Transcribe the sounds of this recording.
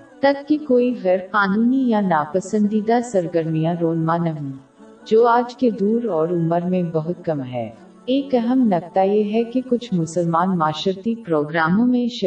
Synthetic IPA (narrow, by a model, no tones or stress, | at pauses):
t̪ɐb̚kikoːiɣɐɾqaːnuːnijanaːpɐsə̃nd̪id̪asɐɾɡəɾmijãɾoːnmãnɐɦõː | d͡ʒoːaːd͡ʒked̪uːɾɔːɾʊməɾmẽbɐɦʊt̪̚kɐmɦɛ̰ː | eːkɐɦəmnɐk̚t̪ajeɦɛkikʊt͡ʃʰmʊsəlmaːnmaːʃəɾt̪ipɾoːɡɾaːmõmẽʃ